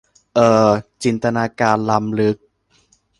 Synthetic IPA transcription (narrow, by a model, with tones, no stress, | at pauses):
ʔɤː˨˩t͡ɕi˧nt̪a˧naː˧kaː˧nla˧mlɯ˦˥k̚